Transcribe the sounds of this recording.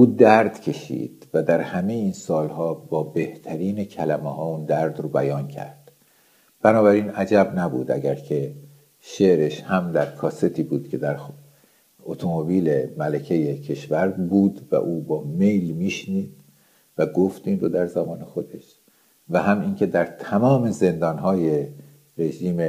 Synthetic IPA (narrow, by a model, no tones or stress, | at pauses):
ʔuːd̪æɾd̪̥cʰe̞ʃḭːd̪̥væd̪æɾhæmejeiːnsɒːlhɒːbɒːbe̞ht̪ʰæɾiːnecʰælæmehɒːund̪æɾd̪ɾobæjɒːncʰæ̰ɾd̪̥ | b̥ænɒːbæɾiːnæd͡ʒæbnæbṵːd̪ʔæ̰ɟæɾcʰe̞ | ʃe̞ɾeʃhæmd̪æɾkʰɒːse̞t̪ʰiːbuːd̪̥cʰe̞d̪æɾ | ot̪ʰomobiːle̞mælæcʰejecʰe̞ʃvæɾbuːd̪væ̰ʔuːbɒːme̞jlmiːʃniːd̪̥̚ | væɡoft̪iːnrod̪æɾzæmɒːnexo̞d̪e̞ʃ | væɦæmiːncʰe̞d̪æɾt̪ʰæmɒːme̞ze̞nd̪ɒːnɦɒːje̞ | ɾe̞ʒiːme